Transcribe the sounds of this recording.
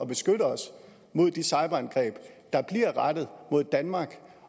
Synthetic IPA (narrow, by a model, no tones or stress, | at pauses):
ɒ̽b̥e̝sɡ̥øɾəɒ̽s | mo̝ð̞̰ˠd̥isɑ̈ɪb̥ɐænɡ̥ʁɛ̰ːb̥d̥ɑ̈b̥liɐʁɑd̥ð̞̩ˠmo̝ð̰ˠd̥ænmɑ̈ːɡ̥